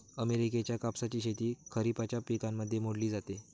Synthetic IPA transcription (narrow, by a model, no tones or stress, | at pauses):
əmeɾik̬et͡ɕjakapsat͡ɕiːɕet̪iːkʰəɾipat͡ɕjapikãmːəd̪ʱːjemoɽliːd͡zat̪e